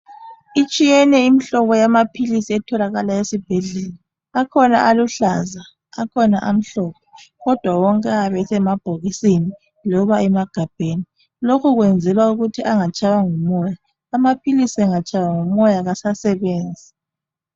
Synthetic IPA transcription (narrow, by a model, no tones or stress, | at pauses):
it͡ʃʼijɛnɛimiɬɔβɔjamapʰilisiɛtʰɔlaɣalaesib̥ʱɛɮɛlɔ | akʰɔna̰ʔaluɬaza | akʰɔnaʔam̩ɬɔːkʰɔɣɔd̥ʱwawɔŋkʼɛaβɛsɛmab̥ʱoɣisini | lɔβaɛmaɡ̥ʱab̥ʱeni | lokʰuɣwɛnd͡zʱɛlwauɣutʰiʔaŋat͡ʃʼawaŋumɔjaː | mapʰilisiɛŋat͡ʃʼawaŋumɔjaɣasasɛβeːnd͡zʱi